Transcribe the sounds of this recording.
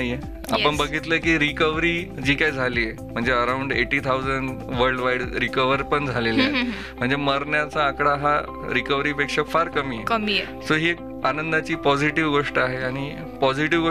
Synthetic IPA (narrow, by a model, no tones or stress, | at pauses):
je | a̰pəɳbəɡʱit̪ləkiːɾikəʋɾiːd͡ʑiːkajd͡zʱaliːe | m̤əɳd͡zeəɾawɳɖḛʈiːt̪ʰaud͡zəɳɖʋəɾɖʋaiɽɾikəʋəɾpəɳd͡zʱalele | m̤əɳd͡zeməɾɳjat͡saːkɽaɦa | ɾikəʋɾiːpekʂəkfaɾkəmiːekəmie | soɦiːek̚ | anənd̪at͡ɕiːpɔd͡ziʈiʋɡoʂʈəaɦeaɽ̃i | pɔd͡ziʈiʋɡo